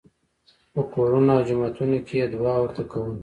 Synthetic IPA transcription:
pokoɾunawd͡ʒʊmat̪unokʰejed̪wɑːwɐɾt̪akawun

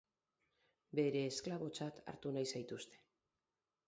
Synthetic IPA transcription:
be̞ɾe̞ːsklaβo̞t͡sat̪a̰ɾt̪unajsajt̪ust̪e̞̥

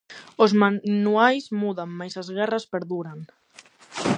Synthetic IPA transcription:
ozmanuajzmuðaŋmajsazɣɛrɐspeɾðuɾaŋ

